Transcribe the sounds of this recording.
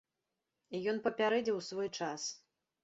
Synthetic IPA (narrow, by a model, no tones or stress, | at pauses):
ijɔnpɐpʲaɾɛd͡zʲɛwsvɔjt͡ʂas